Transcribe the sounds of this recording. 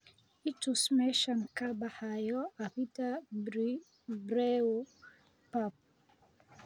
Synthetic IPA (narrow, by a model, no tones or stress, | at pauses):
itusmɛʃan̩kabahajɔapita | bɾɛɔ | pap̚